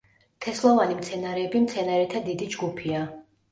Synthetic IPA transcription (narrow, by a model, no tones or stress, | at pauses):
t̪ʰɛslˠɔvanimt̪sʰɛnaɾɛːbimt̪sʰɛnaɾɛt̪ʰad̪id̪id͡ʒɡupʰia